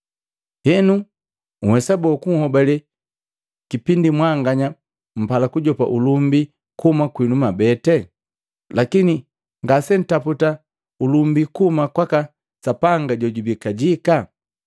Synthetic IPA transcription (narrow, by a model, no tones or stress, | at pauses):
hɛnu | ŋ̩hɛsabɔkuŋ̩hɔbalɛ | kipindimwaŋɡaɲa | m̩palakuɟɔpa̰ʔulumbi | kumakwinumabɛtɛ | lakini | ŋɡasɛn̩taputa | ulumbikumakwaka | sapaŋɡaɟɔɟubikaɟika